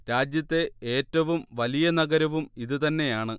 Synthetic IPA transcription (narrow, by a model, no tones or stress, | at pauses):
ɾaːd͡ʑjɐt̪ːe̞eːtːɐʋumʋɐlijɐnɐɡɐɾɐʋumiðɨt̪ɐnːe̞jaːɳɨ